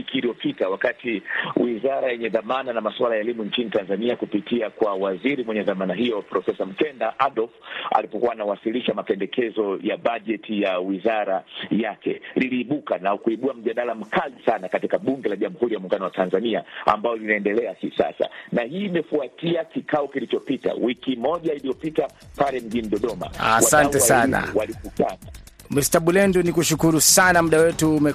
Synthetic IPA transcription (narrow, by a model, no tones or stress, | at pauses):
ikiːlijɔpitawakatiwizaɾajɛɲɛðamananamaswalajaɛlimuɲt͡ʃinitanzaniakupitiakwawaziɾimwɛɲɛðamanaɦijɔpɾɔfɛsam̩kɛndaʔaɗɔlfa̰lipɔkuwaːnawasiliʃamapɛndɛkʰɛzɔjaɓaʄɛtijawizaɾajakɛ̰liliːɓukanaukuiɓuam̩ʄaɗalam̩kalisanakatikaɓuŋɡɛlaʄamuhuɾijamuŋɡanɔwatʰanzaniaa̰mbajɔlinaɛndɛlɛahisa̰sa̰nahiːmɛfuatiakikaɔkilit͡ʃɔpita̰wikimɔʄailijɔpitapalɛm̩ʄiniɗɔɗɔma̰a̰wasantɛasana̰walikutana | mistaɓulɛndunikuʃukuɾusanamuɗawɛtuːmɛ